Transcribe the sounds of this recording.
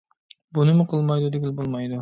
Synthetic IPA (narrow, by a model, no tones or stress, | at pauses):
bunɨmʊqʰəlˠmɑjd̪ud̪ɪɡʲilbolˠmɑjd̪u